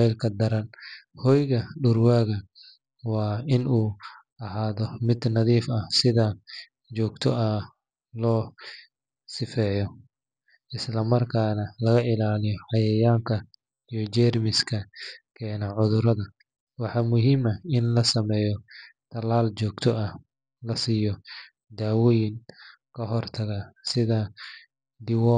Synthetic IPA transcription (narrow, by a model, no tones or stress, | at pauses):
ɛjlkʰɐd̪ɐɾɐnhɔjɣɐɖʊrwaːɣɐ | wɑːɪnuː | ɐɦaːðɔmɪd̪nɐðiːfɐhsɪðɐ | t͡ʃɔːɡt̪ʰɔʔɐ | lɔː | sɪfɛːjɔ | ʔɪslɐmɐrkʰaːnɐlɐɣɐʔɪlaːlɪjɔħɑjɐjaːŋkʰɐ | ijɔt͡ʃɛrmɪskʰɐkʰɛːnɐʕʊðʊɾɐðɐ | wɑħɑːmʊɦiːmɐɪnlɐsɐmɛːjɔt̪ʰɐlaːlt͡ʃɔːɡt̪ʰɔʔɐ | lɐsiːjɔ | d̪aːwɔjɪn | kʰɐɦɔrt̪ʰɐɣasɪðɐ | d̪ɪwɔ